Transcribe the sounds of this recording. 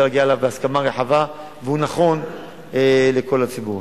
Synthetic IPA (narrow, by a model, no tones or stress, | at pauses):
laɡiaelavbeaskamaʁeħava | veunaχo̞n | ele̞ko̞lat͡sibuʁ